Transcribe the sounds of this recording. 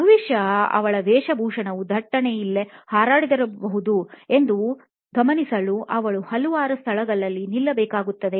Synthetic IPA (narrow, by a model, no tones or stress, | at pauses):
bʱɐʋiʃjɐɐ̰ʋɐɭɐʋ̪ɛːʂɐbʱuːʂɐnɐʋud̪ʱɐʈːɐnejilːehaːɾaːɽid̪ɐɾɐbɐɦud̪ue̞nd̪u | ɡɐmɐnisɐluʔɐʋɐɭuhɐluʋaːɾɐst̪ʰɐɭɐɡɐɭːɐlːinilːɐbɛːkaːɡut̪ːɐd̪e